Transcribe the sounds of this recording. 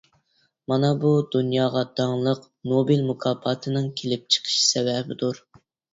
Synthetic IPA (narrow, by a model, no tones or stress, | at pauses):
mɑnɑbud̪̥unjɑːʁɑd̪ɑŋlˠəq | nobilmukʰɑːpʰɑt̪ʰɨnɨŋkʲʰelɪp̚t͡ʃʰə̥qʰə̥ʃsɛvɛbɪd̪uɾ